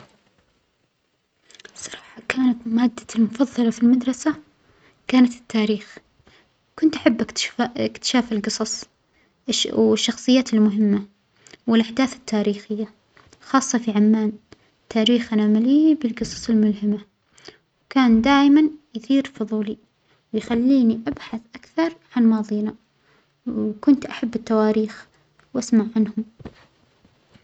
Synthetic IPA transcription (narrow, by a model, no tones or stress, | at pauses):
sˤɑɾˤɑːħɑkaːnat̪maːd̪ːḁlmʊfɑðˤːɑlɑfilmad̪ɾˤɑsa | kaːnat̪ɪ̥t̪ʰːaːɾiːx | kʊnt̪ʔaħabːʔɪk̪ɪkt̪ɪ̥ʃaːfɪlɡɨsˤɑsˤ | wɪʃːɑxsˤɨjːaːt̪ɪlmʊɦɪmːa | wɪlʔaħd̪aːθɪ̥t̪ʰːaːɾiːxɪjːa | xɑːsˤːɑfiʕamːaːn | t̪ʰːaːɾiːxʔanaːmalibɪlɡɨsˤɑ̥sˤɪlmʊlɦɪma | wkaːnd̪aːʔmanjɪθiːɾfʊðˤuːli | wjxalːiːniʔabħaθʔakθɑɾˤʕanmɑːðˤiːna | wkʊnt̪ʔaħabːɪt̪ːawaːɾiːx | wʔasmaʕʕanhʊm